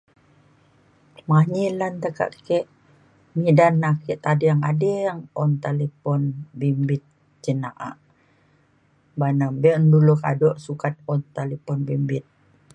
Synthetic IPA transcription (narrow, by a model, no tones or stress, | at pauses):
maɲilant̪əka̰ʔkɛʔ | midanːakɛʔt̪adejaŋadejaŋɔnt̪alepɔnbimbit̪̚ | d͡ʒənaʔa̰ʔ | banambɛʔnduluka̰dɔʔsukat̪̚ɔnt̪alepɔnbimbit̪̚